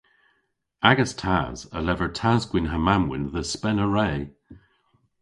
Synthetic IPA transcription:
aɡəstʰa̰ːz̥ə̰lɛvəɹtʰaːzɡwɪnɦəmamwɪ̰nðəspɛnəɹɛː

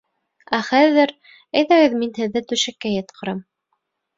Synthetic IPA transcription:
æχæðɘɾ | æjðæɡɘðminhɘ̆ðːɘt̪ʉʃækːæjɤ̆t̪̚qʰɤ̆ɾɑm

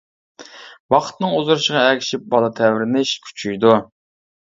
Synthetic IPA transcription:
wɑχt̪nɨŋuzuɾɨʃəʁɑɛkʲʰi̥ʃip̚bɑlˠɨt̪ʰɛwɾɪnɪʃkʲʰy̥t͡ʃʰyjd̪u

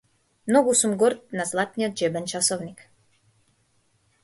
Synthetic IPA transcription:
mnoɡusumɡoɾt̪̚nazlˠat̪nijot̪̚d͡ʒɛbɛnt͡ʃasoʋnik

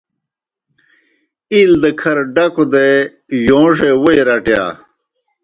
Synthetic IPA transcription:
ild̪ɐkʰɐɾɖɐkod̪e | jõːʂewojɾɐʈja̰ː

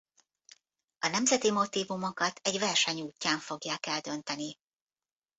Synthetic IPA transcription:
ɒnɛmzɛt̪imo̞t̪iːvumo̞kɒt̪ɛɟvɛrʃɛɲuːcːaːɱfo̞ɡjaːkɛld̪ønt̪ɛni

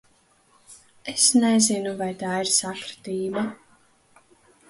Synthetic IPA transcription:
esnɛzinuvajt̪aːiɾsakɾt̪iːla

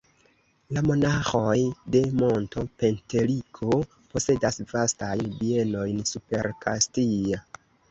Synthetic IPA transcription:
lamo̞naxojde̞mo̞nto̞pe̞nte̞likʰo | po̞se̞dasvastajnbie̞no̞jnsupe̞ɾkʰastia

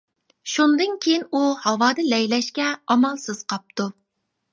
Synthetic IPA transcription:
ʃund̪ɨnkʲʰejinuhɑwɑːd̪ɨlɛjlɛʃkʲɛɑmɑlˠsɨz̥qʰɑp̚t̪u

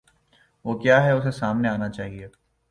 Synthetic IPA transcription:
ʋoːkjaːɦɛʊsesaːmneaːnat͡ʃaːɦieː

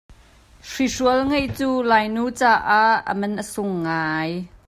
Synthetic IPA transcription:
ʂisuɐlŋɐjt͡suːlaːjnuːt͡saːʔaʔə̰mɐnʔəsʊŋːaːj

